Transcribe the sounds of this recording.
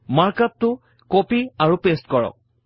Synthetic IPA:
maɹkap̚tʊ | kopiaɹupestkɔɹɔ̰k̚

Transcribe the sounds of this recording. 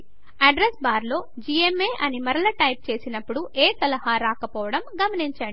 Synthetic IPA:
ɐɖɾesbaːɾlo̞ː | d͡ʒiemeːʔɐnimɐɾɐlɐʈɐjp̚t͡ʃe̞ːsinɐpːuɽuʔeːsɐlɐhaːɾaːkɐpɔːʋɐɽɐmɡɐmɐniɲt͡ʃaːɳi

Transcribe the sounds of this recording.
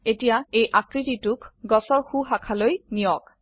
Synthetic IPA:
etijaejʔakɹititʊkɡɔsɔɹxuɦakʰalojnijɔk

